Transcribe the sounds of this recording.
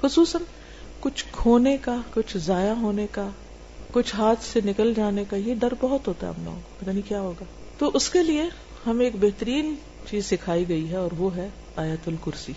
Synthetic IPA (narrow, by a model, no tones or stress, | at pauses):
xʊsuːsən | kʊt͡ʃʰkʰoːnekakʊt͡ʃʰzaːjaɦoːneka | kʊt͡ʃʰɦaːt̪ʰsenɪkəld͡ʒaːnekajeɖɐɾbɐɦʊt̪ɦoːt̪aɦɛ̰ɐ̰plo̰ːɡkɐt̪anikjaːɦoːɡaː | t̪oʔʊskelie | hɐmeːkbɛɦt̪əɾiːn | t͡ʃiːzsɪkʰaːiɡɐiɦɛɔːɾʋoɦɛ | aːjət̪ʊlkʊɾsiː